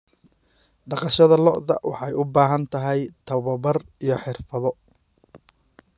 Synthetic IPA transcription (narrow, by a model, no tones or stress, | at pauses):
ɖɑqɑʃɐðɐlɔʔðɐ̰wɑ̰ħɑjʊbaːɦɐnt̪ʰɐɦɛjt̪ʰɐβɐbɐrijɞħɪrfɐðɔ